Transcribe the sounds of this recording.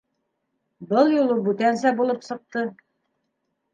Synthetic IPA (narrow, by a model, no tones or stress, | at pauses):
bɤlˠjulˠɤbʉt̪ænsæbulˠɤpsɤ̆q̚t̪ɤ